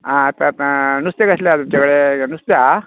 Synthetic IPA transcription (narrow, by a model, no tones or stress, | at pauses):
ãːt̪ãt̪ãnust̪jakəsljat̪umt͡ɕakəɭenust̪ja